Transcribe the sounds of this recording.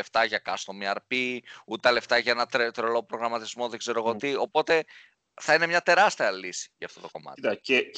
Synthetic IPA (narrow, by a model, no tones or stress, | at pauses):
eft̪ɐʝɐkɐst̪omiɐɾpiut̪et̪ɐle̞ft̪ɐʝɐenɐt̪ɾet̪ɾolo̞pɾo̞ɣɾɐmɐt̪izmo̞ðe̞ɡze̞ɾo̞ɣot̪io̞po̞t̪e̞ | θɐine̞mɲɐt̪e̞ɾɐst̪iɐlisi̥ʝɐːft̪o̞t̪o̞ko̞mɐ̰t̪t̪ɐe